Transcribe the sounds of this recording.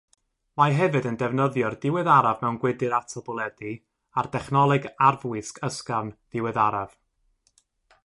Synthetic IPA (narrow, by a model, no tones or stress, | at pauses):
majɦɛvɨdəndɛvnəðjɔrdɪwɨðaɾavmɛwnɡwɪdɨɾatʰɔbɔlˠɛdi | ardɛχnɔlˠɨɡarvwɪskʰəskanð̥ɪwɛðaɾav̥